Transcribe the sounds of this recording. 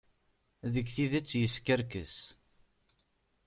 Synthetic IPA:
ðəɡθiðæt͡sːjəskəɾkə̰s

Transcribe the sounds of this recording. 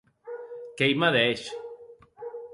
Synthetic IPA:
kejmaðeʃ

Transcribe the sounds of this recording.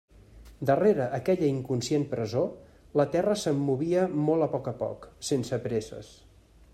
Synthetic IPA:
d̪əreɾəʔːkɛʎəiŋkunsienpɾəzo | lət̪ɛrəsəmːuβiəmolˠəpɔkəpɔ̰ksensəpɾezə̰s

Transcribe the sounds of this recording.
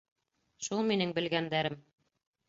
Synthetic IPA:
ʃulˠminɘŋbɘ̆lɡænd̪æɾɘm

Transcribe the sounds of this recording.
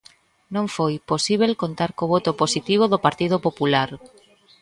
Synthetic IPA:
nõŋfojposiβ̞elkont̪aɾkoβot̪oposit̪iβ̞oðopaɾt̪ið̞opopulaɾ

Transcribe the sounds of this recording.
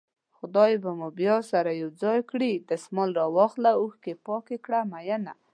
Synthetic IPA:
xʊd̪ɑjbamʊbjɑsaɾajawd͡zɑjkɽid̪əsmɑlɾɑwɑxlauxkepɑkekɽamajana

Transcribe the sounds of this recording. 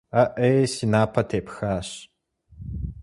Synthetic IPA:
ɐʔesinaːpʰɐtʰeːpxaːɕ

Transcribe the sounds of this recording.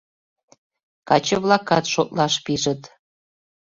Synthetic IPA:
kɑt͡ɕə̆βlˠɑkɑt̪ʃot̪̚lɑʃpiʒə̆t̪

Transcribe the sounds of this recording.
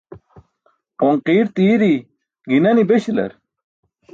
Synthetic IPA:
oŋqiːɾt̪iːɾi | ɡinɐnibeɕilɐ̰ɾ

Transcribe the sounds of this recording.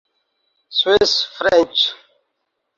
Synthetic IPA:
swisfɾɛ̃nt͡ʃ

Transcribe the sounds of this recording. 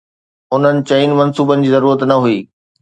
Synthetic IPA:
ʊn̤ənɪ̆t͡ɕɐiːnɪmɐnsuːbənɪ̆d͡ʑiːzɐɾuːɾət̪nɐɦuiː

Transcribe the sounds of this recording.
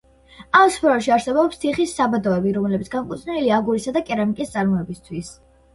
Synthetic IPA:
aspʰɾɔɔʃiaɾsɛbɔpst̪ʰiχisːabad̪ɔɛbiɾɔmlɛbit̪ʰɡamkʼut̪sʰniiliaːɡuɾisad̪akʼɛɾamikʼist̪sʼaɾmɔɛbist̪ʰwis

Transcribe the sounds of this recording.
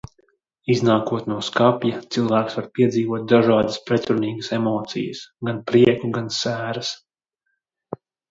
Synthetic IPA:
iznaːkuɔt̪nuɔskapjat̪silˠvæːksvaɾpʲiɛziːvuɔt̪̚d̪aʒaːd̪aspɾɛt̪ɾuniːɡəsemɔːt̪sḭjə̰sɡanpɾiɛkuɡansæːɾɐs

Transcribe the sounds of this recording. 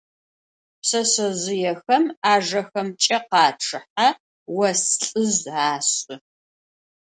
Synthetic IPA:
psɐsɐzɪjɛxɐmaːʐɐxɐmt͡ʃʼɐqɑːʈ͡ʂʰɨħa | wɐsɬʼɨzaːɕʼʊ

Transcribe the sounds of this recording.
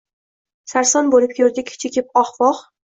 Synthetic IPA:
saɾsɒnbolɪp̚kʲʰɵɾd̪ɪkʲt͡ʃʰekʲʰɪpɒχvɒq

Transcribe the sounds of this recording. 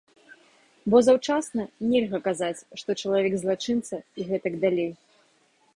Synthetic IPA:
bɔzawt͡ʂasnɐnʲɛlʲɣɐkazat͡sʲʂt̪ɔt͡ʂɐlˠavʲɛɡzlˠat͡ʂɨnt̪sɐiɣɛt̪ɐɡd̪alʲej

